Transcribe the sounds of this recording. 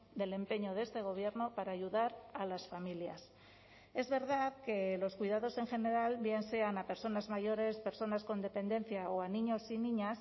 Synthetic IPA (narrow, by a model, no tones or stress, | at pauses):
d̪e̞le̞mpe̞ɲo̞ðe̞st̪e̞ɣ̞o̞β̞je̞ɾno̞paɾaːʝuðaɾalasfamiljas | e̞zβe̞ɾðaðke̞lo̞skwiðað̞o̞se̞ŋxe̞ne̞ɾalbje̞nse̞anape̞ɾso̞nazmaʝo̞ɾe̞spe̞ɾso̞nasko̞nd̪e̞pe̞nd̪e̞nθjaoaniɲo̞sinĩɲas